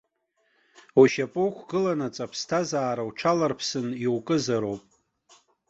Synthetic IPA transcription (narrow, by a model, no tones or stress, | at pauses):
uʃapʼokʷʰɡɨlanat͡sʼapʰstʰazaːɾawʈ͡ʂʰalarpʰsɨniwkʼɨzaɾowpʼ